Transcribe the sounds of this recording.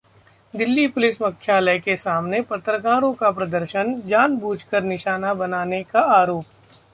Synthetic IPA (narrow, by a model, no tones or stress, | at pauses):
d̪ɪlːipʊlɪsmɐkʰːjaːləkesaːmnepɐt̪ɾəkaːɾõkapɾɐd̪əɾʃənd͡ʒaːnbʱuːd͡ʒkəɾnɪʃaːnabɐnaːnekaaːɾoːp̚